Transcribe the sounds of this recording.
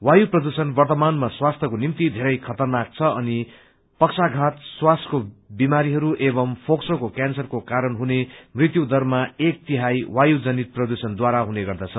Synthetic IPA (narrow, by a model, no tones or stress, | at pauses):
wajuprʌd̪usʌnbʌrt̪ʌmanmaswast̪ʰʌkonimt̪id̪ʱeɾʌjkʰʌt̪ʌrnak̚t͡sʰʌʌni | pʌksaɡʱat̪swaskobimaɾiɦʌɾuʔebʌmpʰoksokokjansʌrkokaɾʌnɦunemrit̪jud̪ʌrmaek̚t̪iɦajwajud͡zʌnit̪̚prʌd̪usʌnd̪waɾaɦuneɡʌrd̪at͡sʰʌ